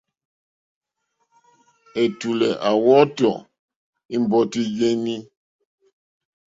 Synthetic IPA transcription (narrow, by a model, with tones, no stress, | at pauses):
e˨tu˨lɛ˨ʔa˨wɔ˦tɔ̰˨ | i˦m˨bɔ˦ti˦je˦ni˦